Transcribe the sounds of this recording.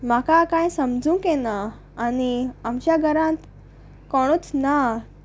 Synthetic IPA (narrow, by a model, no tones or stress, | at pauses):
makakãjsəmd͡zũkenaː | niamɕjaɡʱəɾãt̪ | kɔɽ̃ut͡sna